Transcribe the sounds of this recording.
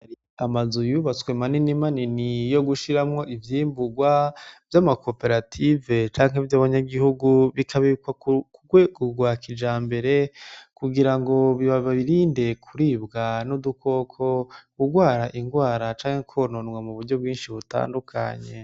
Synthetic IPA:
amazujuβat͡swe̞maninimaninijo̞ɡuʃiɾamŋo̞ʔivjiːmbuɡwav̥jamako̞pe̞ɾatʰive̞t͡ʃaːŋ̥ɦevjaːβaɲaɡihuɡuβikʰaβikwaukɡwekuɡwakid͡ʒaːmbe̞ɾe̞kuɡiɾaŋɡo̞βiβaβaβiɾiːnde̞kʰuɾiːbɡanudukʰo̞kʰo̞kuɡwaːɾaʔiŋɡwaːɾat͡ʃaːŋhekʰononɡwamuβuɾɟo̞b̚ɡiːnʃiβuta̰ːndukʰa̰ɲe̞̰

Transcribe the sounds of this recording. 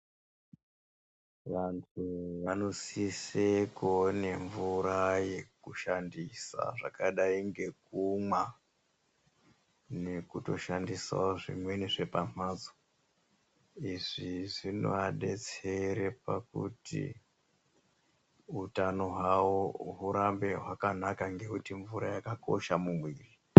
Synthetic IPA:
ʋantʰuʋano̞sisekone̞ɱvuɾajekuʃandisa̰ʐa̰kaɗaiŋɡe̞k̚umwa | ne̞kuto̞ʃandisa̰oʐḭmwe̞niʐe̞pamaːd͡zo̥ | iʐiʐino̰aɗe̞t͡se̞ɾe̞pakutḭ | utano̞ɦwawoɦuɾambe̞ɦwakanakaŋɡe̞kutiɱvuɾajakako̞̰ʃamumwiːri

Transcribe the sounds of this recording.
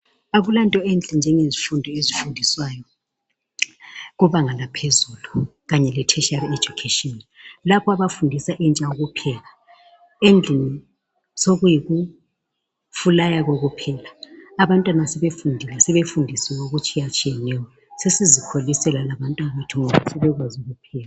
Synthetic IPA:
aβulantʼɔɛnd͡ɮʱʼɛnd͡ʒʱɛŋezifundʱɔezifundʱiswajɔ | ɣuβaŋalapʰezuluɣaɲɛlɛtʰɛʃared͡ʒukʰeʃʼiɔnlapʰɔaβafundʱisaʔɛnt͡ʃʼaoɣupʰɛla | end͡ɮʱini | soɣujiɣu | fulajaɣoɣupʰɛːlaaβantʼwanasɛβefundʱilasɛβefundʱisɛɣoɣut͡ʃʼʰijat͡ʃʼijɛnɛwɔ | sesizikʰolisɛlalaβantʼwanaβetʰuŋɔβasɛβɛɣwazuɣupʰɛːla

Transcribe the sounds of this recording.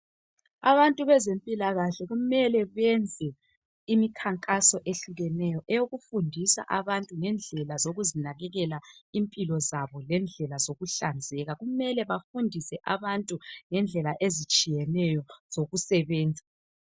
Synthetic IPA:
a̰βantʼuβɛzempʼilaɣaɬɛɣumɛlɛβɛnd͡zʱɛ | imikʰaŋkʼasɔʔeɬuɣɛnɛjɔʔɛjoɣufundʱisa̰ʔaβantʼuŋɛnd͡ɮʱɛlazoɣuzinaɣɛɣɛlaimpʼilɔzaβɔlɛnd͡ɮʱɛlazoɣuɬand͡zʱɛɣaɣumɛlɛβafundʱisɛʔaβantʼuŋɛnd͡ɮʱɛlaʔezit͡ʃʼijɛnɛjɔz̥oɣusɛβɛːnd͡zʱa

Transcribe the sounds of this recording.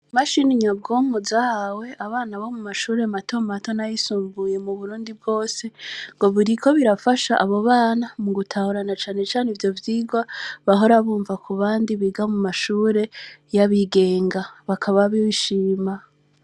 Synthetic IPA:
maʃiniɲab̚ɡomuzahwe̞ʔaβaːnaβo̞mumaʃuːɾe̞mato̞mato̞najisuːmbuje̞muβuɾuːndib̚ɡo̞ːse̞ŋɡo̞βuɾikʰo̞βiɾafaʃaʔaβoβaːnamuɡutʰahuɾanat͡ʃaːne̞t͡ʃaːnivjo̞vjiːɡwaβaɦo̞ɾaβuːɱvakʰuβaːndiβiɡamumaʃuːɾe̞jaβiɡe̞ːŋɡaβakʰaβaβiβiʃiːma

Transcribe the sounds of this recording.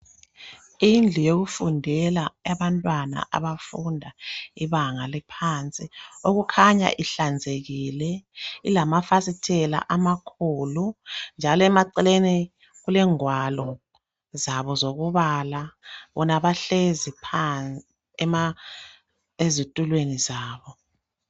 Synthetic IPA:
ind͡ɮʱijoɣufundʱɛlaaβantʼwana̰ʔa̰βafundʱaiβaŋalɛpʰant͡sʼioɣukʰaɲa̰ʔiɬand͡zʱeɣilɛilamafasitʰɛla̰ʔamakʰulund͡ʒʱalɔɛmaǀɛleni | ɣulɛŋwalɔ | zaβɔzoɣuβalaβɔnaβaɬezipʰa | ɛma | ezitʼulwenizaːβɔ

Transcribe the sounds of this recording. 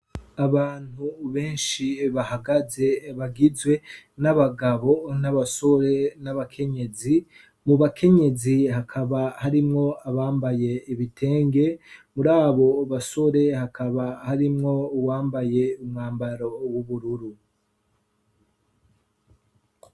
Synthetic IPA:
aβaːn̥huβe̞ːnʃiβahaɡaze̞βaɡizwe̞naβaɡaβo̞naβaso̞ɾe̞naβakʰe̞ɲe̞zi | muβakʰe̞ɲe̞ziɦakʰaβahaɾimŋo̞aβaːmbaje̞iβitʰe̞ːŋɡe̞muɾaːβo̞βaso̞ɾe̞hakʰaβahaɾimŋo̞waːmbaje̞umŋaːmbaɾowuβuɾuɾu

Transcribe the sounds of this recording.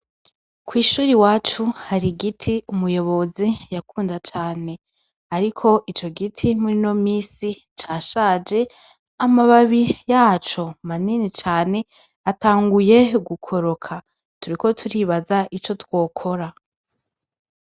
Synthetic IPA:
kwiːʃuːɾiwaːt͡ʃuhaɾiɡitʰiumujo̞βo̞zijakuːndat͡ʃaːne̞ | aɾikʰo̞ʔit͡ʃo̞ɡitʰimuɾino̞miːsi | t͡ʃaːʃaːd͡ʒe̞ | amaβaβijaːt͡ʃo̞maninit͡ʃaːne̞ | ataːŋɡuje̞ɡukʰo̞ɾo̞kʰa | tuɾiko̞tʰuɾiːβazaʔit͡ʃo̞two̞ːkʰo̞ɾa

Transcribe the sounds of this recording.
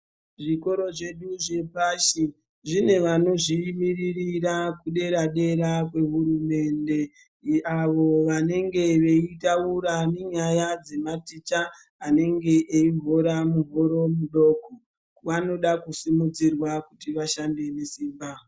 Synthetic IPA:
ʐiko̞ɾo̞ʐe̞ɗuʐe̞paʃi | ʐine̞ʋano̞ʐimiririrakuɗe̞ɾaɗe̞ɾakwe̞ɦurume̞nde̞ | aʋo̞ʋane̞ŋɡe̞ʋe̞itauɾane̞ɲajad͡ze̞matit͡ʃa | ane̞ŋɡe̞ʔːivʱoɾamuɦoɾo̞muɗo̞ko | ʋano̞ɗakusimud͡zirwakutiʋaʃande̞nesiːmba

